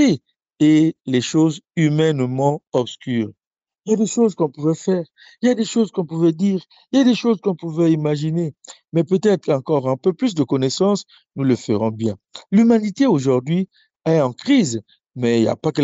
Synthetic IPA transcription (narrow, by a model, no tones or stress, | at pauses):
e | elɛʃozymɛnmɑ̃ɔbskyːʁ | iljad̪eʃozkɔ̃puvɛfɛːʁ | iljad̪eʃozkɔ̃puvɛd̪iːʁ | iljad̪eʃozkɔ̃puvɛimaʒinemɛpøt̪ɛt̪χʁɑ̃kɔʁɛ̃pøplys̬d̪əkɔnɛsɑ̃s | nuləfəʁɔ̃bjɛ̃ | lymanit̪eoʒuʁd̪ɥi | ɛɑ̃kχiz | mɛilja̰pakə